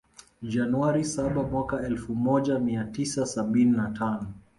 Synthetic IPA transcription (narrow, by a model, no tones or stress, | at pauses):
ʄanuaɾisaɓamwakaɛlfumɔʄamiatisasaɓininatʰanɔ